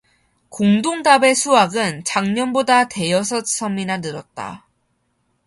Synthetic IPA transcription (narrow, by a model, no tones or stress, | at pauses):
koŋdoŋdabe̞sʰuaɡɯnt͡ɕaŋɲʌnbodate̞jʌsʰʌts͈ʰʌminanɯɾʌt̚t͈a̰